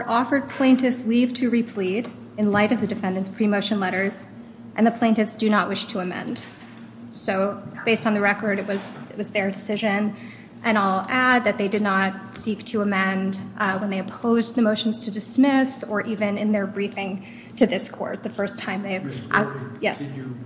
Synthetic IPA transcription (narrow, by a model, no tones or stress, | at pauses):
ə˞ʔɔfə˞d̚pʰl̥ẽɪ̃ntɨfsliv̥tʰɨɹipʰl̥iɾ | ɨ̃nlaɪɾʌvðɨdɨfɛ̃ndɨ̃nspʰɹ̥imoʊʃɨ̃nlɛɾə˞z̥ | ʔɨ̃nðɨpʰl̥ẽɪ̃ntɨfsd̥ɨnət̚wɪʃtʰəːmɛ̰̃nd̥ | soʊb̥eɪstn̩ðɨɹɛkə˞ɾɨt̚wʌz̥ɪʔ̚wʌzðə˞dɨsɪʒɨ̃n | ʔɨ̃naɪlˠæd̪̚ðɨt̪̚ðeɪdɨdⁿnət̚siktʰɨəmɛ̃ndwə̃nðeɪɨpʰoʊzðɨmoʊʃn̩z̥tʰɨdɨsmɪsə˞ʔivɨ̃nɨ̃nðə˞bɹifɪ̃ŋ | tʰɨðɪskʰɔ̰ɹt̪̚ðɨfɜ˞stʰãɪ̃mðeɪvʔæ̰sjɛs